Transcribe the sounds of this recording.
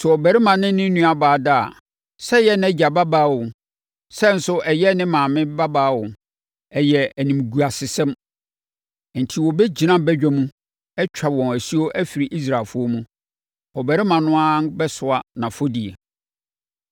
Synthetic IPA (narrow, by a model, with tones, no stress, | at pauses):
sɛ˨ɔ˨bæ˨ɾɪ˦mã˨nɪ̃˦nɪ̃˦nũ˦a˨baː˨da̰˦˨ | sɛ˦jɛ˦n˦ɛ˦d͡ʑa˨ba˦baː˦˨wʊ˨ | sɛ˦˨n̩˦sʊ˦ʔɛ˨jɛ˦nɪ̃˦mãː˨mɪ̃˦ba˦baː˦wʊ˨ | ɛ˨jɛ˨æ˨nĩ˨m˨ɡu˨a˨sɪ˨sɛ̃˦m˨ | n̩˨tʰi˨wɔ˨bɛ˦d͡ʑi˨nã˦bɛ˦d͡ʑᶣɛ˦mũ˦ | ɛ˦t͡ɕᶣʰa˨wɔ̃˨næ˨si˦o˦ʔæ˦fi˨ɾi˨ʔi˦s̬ɾa˨lfʊ˦o˦mũ˦ | ɔ˨bæ˨ɾɪ˦mã˨nʊ̃˦a˦n˦bɛ˦sʊ˨a˨nã˨fo˦di˨ḛ˨